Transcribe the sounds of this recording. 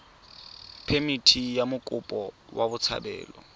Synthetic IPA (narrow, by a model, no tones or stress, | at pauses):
pʰemitʰijamʊkʼʊpʼɔwabʊt͡sʰa̰bɛ̰ːlɔ̰